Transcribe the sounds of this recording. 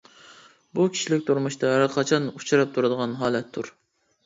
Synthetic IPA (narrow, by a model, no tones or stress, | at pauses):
bukʲʰi̥ʃilɪkʲt̪ʰuɾmuʃt̪ʰɑæɾqʰɑt͡ʃʰɑnut͡ʃʰuɾɑp̚t̪ʰuɾɨd̪əʁɑnɦɑːlɛt̪ʰːuɾ